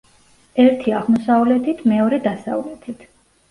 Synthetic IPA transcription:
ɛɾt̪ʰiaʁmɔsavlɛt̪ʰit̪ʰmɛɔɾɛd̪asa̰vlɛt̪ʰit̪ʰ

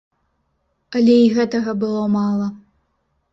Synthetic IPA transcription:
ɐlʲɛiɣɛt̪ɐɣɐbɨlˠɔmalˠɐ

